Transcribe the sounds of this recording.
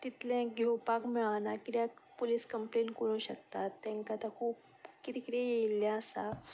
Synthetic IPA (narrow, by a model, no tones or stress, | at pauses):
t̪it̪lẽɡʱewpakmiɭanakit̪japoliskəmplenkəɾũːɕək̚t̪at̪ːãŋkat̪akʰuːp̚ | kit̪ikit̪ɛ̃jeilːjãəsa